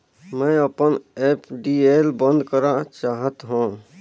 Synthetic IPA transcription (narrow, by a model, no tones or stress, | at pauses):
mə̃əpənepʰɖielbə̃nd̪ʱkəɾat͡ʃaɦət̪ɦũ